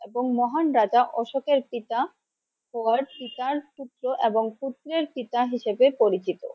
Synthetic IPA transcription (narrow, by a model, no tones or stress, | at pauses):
eboŋmɔɦanɾad͡ʑaʔɔʃokeɾpit̪a | ɦɔaɾpit̪aɾt̪ut̪ːɾoʔeboŋput̪ːɾeɾpit̪aɦiʃebepoɾit͡ɕit̪o̰